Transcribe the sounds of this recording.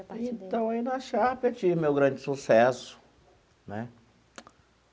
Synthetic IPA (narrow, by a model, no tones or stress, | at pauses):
ẽt̪ɐ̃w̃ainɐʃapet͡ʃivmewɡɾɐ̃d͡ʒɪsusɛsʊ̥ | nɛ